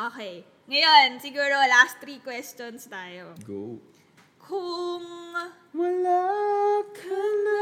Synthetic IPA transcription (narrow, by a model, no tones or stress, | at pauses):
ʔoːkɛj | ŋɐjonsɪɡuːɾolast̪ɾiːkwɛstonst̪aːjoɡu | kʰʊŋ | wɐlakʰɐn